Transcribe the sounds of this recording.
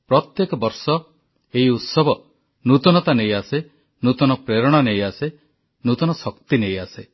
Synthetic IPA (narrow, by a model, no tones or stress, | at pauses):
pɾɔt̪jekɔbɔɾsɔ | eiut̪sɔbɔ | nut̪ɔnɔt̪anejase | nut̪ɔnɔpɾeɾɔɽ̃anejase | nut̪ɔnɔsɔkt̪inejase